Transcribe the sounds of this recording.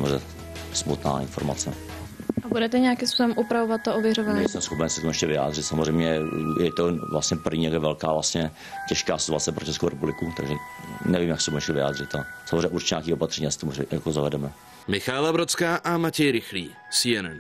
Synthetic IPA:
mozɛ̰ | smut̪na̰ːɪnfoɾma̰t͡sɛ | ʔabudɛt̪ɛɲɛakɪmspusobɛmʔupɾavovat̪̚t̪ːoovjɛɾovaːɲasɛmsxopɛnsɛ̥t̪omuɛʃcɛvɪja̰ːdrɪt̪samozrɛjmɲɛjjɛt̪ovlast̪ɲɛpr̩vɲiːjakɛvɛlkaːvlast̪ɲɛ | cɛʃkaːsɪt̪uat͡sɛpɾot͡ʃɛsko̰wɾɛpublɪkut̪a̰ɡʒɛnɛvimjaksɛt̪omuɛʃcɛvɪja̰ːd̪r̝ɪt̪asamozrẽjːɲɛʔuɾt͡ʃɲaːkiːʔopat̪r̥ɛɲiːjasɛ̥t̪omujakozavɛdɛmɛ | mɪxaːlabɾot͡skaːʔamacɛjɾɪxliː | siɛnɛn

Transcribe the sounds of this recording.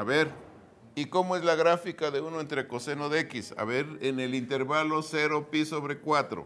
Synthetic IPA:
aβe̞ɾ | iko̞moe̞zlaɣɾafikaðe̞uno̞e̞nt̪ɾeko̞se̞noðekisa̰βeɾene̞lint̪e̞ɾβalo̞seɾo̞piso̞βɾe̞kwat̪ɾo̰

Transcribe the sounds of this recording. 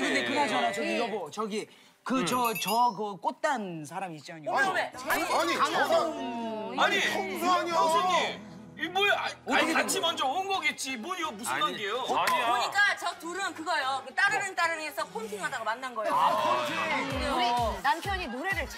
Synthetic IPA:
kɯɾʌnde̞kɯɡʌd͡ʑʌɾad͡ʑʌiɡʌbot͡ɕʌɡi | kɯt͡ɕʌt͡ɕʌkɯk͈ot̚t͈ansʰaɾamiːt̚t͡ɕ͈iaɲiomeaɲikaŋ | aɲioɲ | imoakotʰːket͡ɕʰimʌnd͡ʑoonɡʌɡet̚t͡ɕ͈imwoiɡʌmusʰɯanɡejopoɲik͈at͡ɕʌtuɾɯnkɯɡʌjokɯt͈aɾɯnɯnt͈aɾɯnesʰʌkʰontʰɯŋɦadaɡomanːanɡʌjokot͡ɕiaeoinampʰjʌɲinoɾedet͡ɕ

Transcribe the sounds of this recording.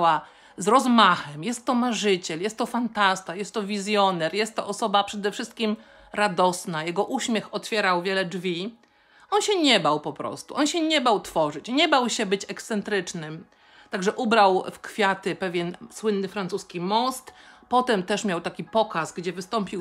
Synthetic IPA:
wa | zɾɔzmaxɛmjɛst̪ːɔmaʐɘt͡ɕɛljɛst̪ːɔfant̪ast̪ajɛst̪ːɔvʲizʲjɔnɛɾjɛst̪ːɔ̰ʔɔsɔbapʂɛd̪ɛfʂɘst̪̚kʲim | ɾad̪ɔsnajɛɡɔʔuɕmʲjɛxɔt̪fʲjɛɾawvʲjɛlɛd͡ʐvʲi | ɔnɕɛɲɛbawpɔpɾɔ̰st̪ṵʔɔnɕɛɲɛbawt̪fɔʐɘt͡ɕɲɛbawɕɛbɘt͡ɕɛkst̪sɛnt̪ɾɘt͡ʂnɘm | t̪aɡʐɛʔubɾawfkfʲjat̪ɘpɛvʲjɛnswɘnːɘfɾant̪suskʲimɔst̪pɔt̪ɛmt̪ɛʂmʲjawt̪akʲipɔkasɡd͡ʑɛvɘst̪ɔmpʲi

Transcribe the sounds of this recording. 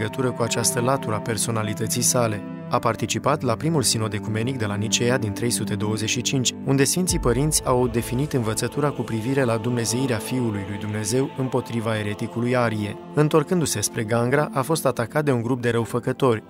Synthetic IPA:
ɡət̪uɾəkuat͡ʃast̪əlat̪uɾape̞rso̞nalit̪ət̪sijsale̞ | apart̪it͡ʃipat̪lapɾimulsino̞d̪e̞kume̞nik̚d̪e̞lanit͡ʃe̞jad̪int̪ɾe̞jsut̪e̞d̪o̞wəze̞t͡ʃʃit͡ʃint͡ʃʲund̪e̞sfint̪sipəɾint̪sʲawd̪e̞finit̪ɨnvət̪sət̪uɾakupɾiviɾe̞lad̪umne̞ze̞iɾeafiulujlujd̪umne̞ze̞wɨmpo̞t̪ɾivae̞ɾe̞t̪ikulujaɾie̞ | ɨnt̪o̞rkɨnd̪usespɾe̞ɡaŋɡɾaʔafo̞st̪at̪akat̪̚d̪euŋɡɾup̚d̪e̞ɾəwfəkət̪o̞rʲ

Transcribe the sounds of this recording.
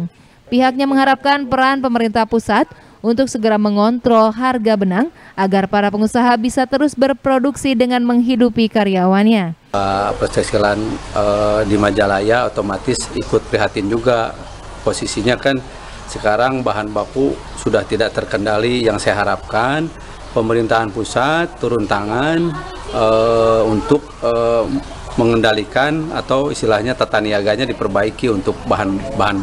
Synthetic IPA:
ŋ | piɦak̚ɲaməŋɦaɾap̚kanpəɾanpəməɾint̪ahpusat̪̚ | ʔunt̪ʊk̚səɡəɾaməŋɔnt̪ɾɔlɦarɡabənaŋʔaɡarpaɾapəŋusaɦabisat̪əɾʊsbərpɾoduksidəŋanməŋɦidupikaɾiawanɲa | pərst̪ək̚silanədimad͡ʒalajaot̪omat̪ɪsikʊt̪̚pɾiɦat̪ɪnd͡ʒuɡa | posisiɲakan | səkaɾaŋbaɦanbaku | sudaht̪idaʔ̚t̪ərkəndalijaŋsajaɦaɾap̚kan | pəməɾint̪aɦanpusat̪ːuɾʊnt̪aŋan | əunt̪ʊk̚ə | məŋəndalikana̰t̪awḭst̪ilahɲat̪at̪aniaɡaɲadipərbaikiunt̪ʊk̚baɦanbaɦan

